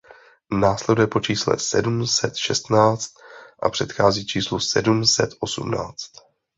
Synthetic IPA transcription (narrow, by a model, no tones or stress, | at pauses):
naːslɛdujɛpo̞t͡ʃiːslɛ̰sɛdumsɛt̪ʃɛst̪naːt͡st̪̚ʔa̰pr̝̥ɛt̪xaːziːt͡ʃiːslusɛdumsɛt̪ʔo̞sṵmna̰ːt͡st̪